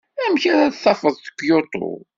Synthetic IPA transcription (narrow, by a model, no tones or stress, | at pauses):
æmçiɾæðθːɑfəðˤθə̥kʷːjot̪ˤo̰